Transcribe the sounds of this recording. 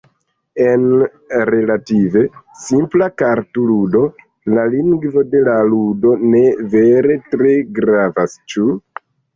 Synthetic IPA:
e̞n | ɾe̞lative̞simplakaɾtuludo̞ | laliŋɡvo̞de̞laludo̞ne̞ve̞ɾe̞tɾe̞ɡɾavast͡ʃu

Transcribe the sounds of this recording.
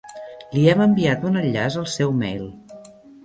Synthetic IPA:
liɛməmbiat̪unəʎːazəlˠsɛwmɛ̰jlˠ

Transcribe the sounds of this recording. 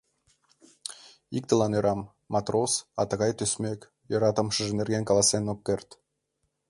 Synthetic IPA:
ik̚t̪əlɑnøɾʔɑmː | ɑt̪rosɑt̪ə̆ɣɑjt̪øsmʲekʲ | joɾɑt̪ə̆mʃə̆ʒə̆nerɡenkɑlˠɑsenokːert̪

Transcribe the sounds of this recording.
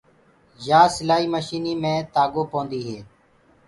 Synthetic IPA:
ʒaːsɪlaːiːməʃiːniːmẽːt̪aːɡõːpõːnd̪iːɦeː

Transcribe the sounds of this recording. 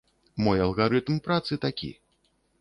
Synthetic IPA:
mɔjɐlˠɣaɾɨt̪mpɾat̪sɨt̪akʲḭ

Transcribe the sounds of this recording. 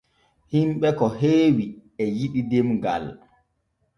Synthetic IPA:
himɓɛkɔɦeːwiɛjiɗidemɡa̰l

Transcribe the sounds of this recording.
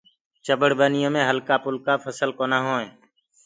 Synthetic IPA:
t͡ʃəbəɽbəːnɪjõːmẽːɦəlkaːpʊlkaːpʰəsəlkoːnaːɦõːẽː

